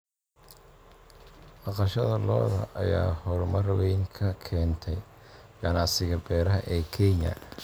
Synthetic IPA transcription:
mɑqɑʃɐðɐlɔːðɐ̰ʔɐja̰ːhɔɾʊmɐrɐwɛjŋkʰɐkʰɛːnt̪ʰɛjɡɐnɑʕsɪɣɐbɛːɾɐɦɐʔɛːkʰɛɲɐ̰

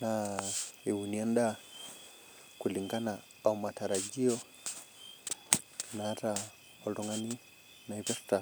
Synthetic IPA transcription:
na | iwuniɛnda | kuliŋɡana | aumataɾaɟiɔ | naata | ɔlɔŋani | naiβjɔfi̥ta

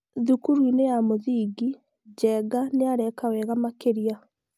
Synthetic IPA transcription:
ðukuɾwinejamoðiːɡi | d͡ʑɛɡaneaɾɛkawɛɣamakeɾia

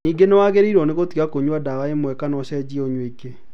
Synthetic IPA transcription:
niːɡenewaɣeɾiɾɔneɣot̪iakoɲwadawaemwɛkanɔʃɛd͡ʑioɲweke

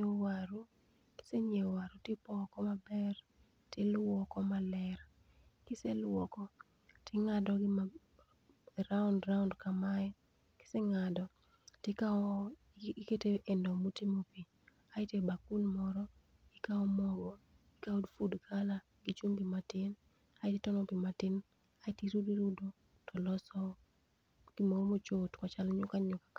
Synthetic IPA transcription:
ɲewaɾu | kɪ̥seɲewaɾutɪpɔkɔmabɛr | tɪlwɔkɔmalɛr | kɪselwɔkɔ | tʰɪŋadɔɡɪa | ɾaʊndɾaʊndkamajɔ | kɪ̥seŋadɔ | tɪka | keteʔendɔmotimopi | aɪtebakunmɔɾɔ | ɪkaɔmɔɡɔ | ikaudfudkʰala | ɡit͡ʃumpimatɪn | aɪtitɔnɔpimatɪn | aɪtiɾudiɾudo | tɔlɔsɔ | ɡ̥ɪmoomot͡ʃotkat͡ʃalɔɲʊkaɲʊkak

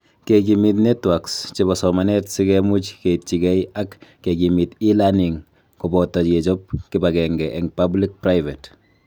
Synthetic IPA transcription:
keɡimit̬netwakst͡ʃebasɔmanɛtsikɛmut͡ʃket͡ʃiɡɛiakː | eɡimitilaniŋ | kɔbɔtːaet͡ʃop̚kɪbaɡɛŋɡɛʔɛŋpablik̚pɾajvet

